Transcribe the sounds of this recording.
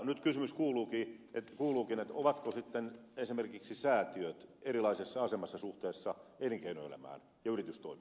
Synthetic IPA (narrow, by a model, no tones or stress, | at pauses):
nyt̪kysymyskuːluːkiːet̪kuːluːkinet̪oʋɑt̪kosit̪ːenesimerkiksisæːt̪iøt̪eɾilɑisesːɑɑsemɑsːɑsuht̪eːsːɑeliŋkeinoelæ̰mæ̰ːn | jɑyrit̪yst̪o̰imi̥